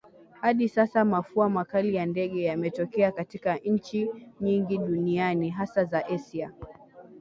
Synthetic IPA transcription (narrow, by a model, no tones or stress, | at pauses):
haɗisasamafuamakalijandɛɠɛjamɛtɔkɛakatikaɲ̩t͡ʃiɲiŋɡiɗunianiɦasazaʔɛsia